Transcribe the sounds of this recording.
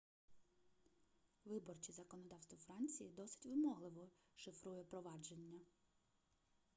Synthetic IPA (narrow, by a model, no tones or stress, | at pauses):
ʋɪbɔrt͡ʃʲizɐkɔnɔd̪ɑwst̪ʋɔfɾɑnʲt͡sʲijid̪ɔsɪ̥tʲʋɪmɔɦlˠɪʋɔʃɪfɾujɛpɾɔʋɑd͡ʒe̞nʲːɐ